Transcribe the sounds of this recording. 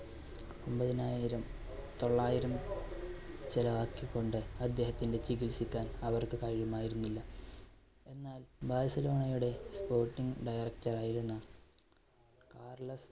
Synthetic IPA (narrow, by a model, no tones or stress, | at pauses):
ombɐðinaːjiɾɐm | t̪o̞ɭːaːjiɾɐm | t͡ɕilɐʋaːkʰjɐkːo̞ɳɖɨɐd̪ːe̞ːɦɐt̪ːinde̞t͡ɕiɡilsikʲːaːnɐʋɐrkɨkɐɻjɐmaːjiɾunːilːɐ | e̞nːaːlbaːsɐlo̞ːɳɐjuɽe̞spo̞ːrʈːiŋɡɖɐjɐrɐktːɐraːjiɾunːɐ | kaːrlɐs